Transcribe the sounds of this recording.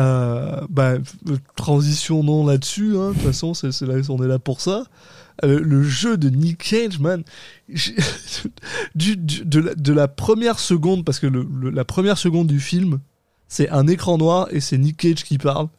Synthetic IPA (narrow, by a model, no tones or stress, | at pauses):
øbat̪χɑ̃zisjɔ̃nɔ̃lad̪əsyɛ̃d̪ut̪fasɔ̃sɛsɛlaɔ̃nɛlapuʁsa | ələʒød̪ənikʰɛd͡ʒmanʒ | d̪yd̪yd̪əlad̪əlapχəmjɛʁsəɡɔ̃d̪paʁsə̥kələləlapχəmjɛʁsəɡɔ̃d̪ːyfilm | sɛɛ̃nekχɑ̃nwaʁḛsɛnikʲɛʒkʲipaʁl